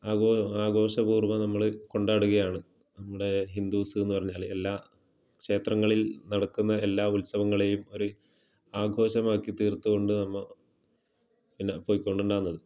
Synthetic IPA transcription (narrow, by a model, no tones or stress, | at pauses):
aːɡoːaːɡʱo̞ːɕɐbuːrʋɐnɐmːɐɭko̞ɳɖaːɽuɣɐjaːɳɨ | nɐmːuɽe̞ɦind̪uːsɨenːupɐrɐɲːaːɭe̞lːaː | kʂe̞ːt̪rɐŋːɐɭilnɐɽɐkːunːɐe̞lːaːulsɐʋɐŋːɐɭe̞jumo̞ɾu | aːɡʱo̞ːɕɐmaːkːit̪iːrt̪ːuɣo̞ɳɖɨnɐmːɐ | pinːɐpo̞ːjikːo̞ɳɖuɳɖaːnːɐðɨ